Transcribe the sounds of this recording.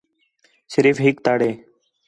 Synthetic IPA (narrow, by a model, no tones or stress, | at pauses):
səɾiːfɦɪk̚t̪aːɽeː